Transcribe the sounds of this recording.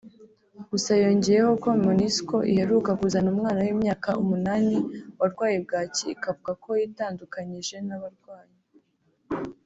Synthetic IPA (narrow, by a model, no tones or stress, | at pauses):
ɡ̥usajo̞ːɲɟeɾeho̞ko̞minisko̞ʔḭhe̞ɾuːkakuzanuːmŋaːnawiːmɲaːkaʔumunaːniwaɾɡwaːjeb̚ɡaːciːkavuɡako̞jitaːndukaɲiʒe̞naβaɾɡwaːje